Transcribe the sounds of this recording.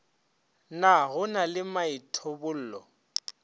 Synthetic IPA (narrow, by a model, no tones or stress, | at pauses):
naɣʊnalɪmaitʰobʊl̩ːlɔ̰